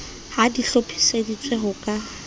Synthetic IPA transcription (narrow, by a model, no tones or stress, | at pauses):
hadiɬopʰi̥sedit͡sʼwɛɦʊkʼa